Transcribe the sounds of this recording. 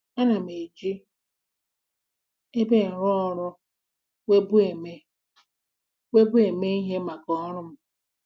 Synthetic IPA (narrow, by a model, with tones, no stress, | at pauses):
a˦na˨m˨e˨d͡ʒi˦ | e˦be˦˨n̩˨ɾɔ˦ɔ˦ɾʊ˦ | we˦bu˦e˨me˦ | we˦bʊ˦e˨me˦i˦ɦe˦ma˨kɔ˦ɾʊ˦m̩˦